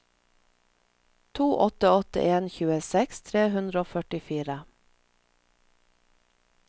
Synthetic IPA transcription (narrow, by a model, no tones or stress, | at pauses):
t̪ʰuːʔɔt̪əɔt̪ə̰ʔeːnçʉːəsɛkst̪ʰɾeːhʉnd̪ɾəoːfœʈɪfiːɾə